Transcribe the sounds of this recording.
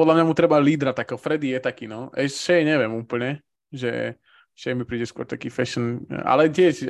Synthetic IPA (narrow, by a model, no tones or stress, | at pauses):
pɔd̪lamɲamut̪ɾɛbaliːd̪ɾat̪ːakɔfɾɛd̪ijɛt̪akinɔʔɛʃɛjɲɛʋɛmuːpl̩ɲɛ | ʒɛ̰ | ʃɛjmipɾiːɟɛskwɔ̰ɾt̪akifɛʃəna̰lɛcɪɛʃ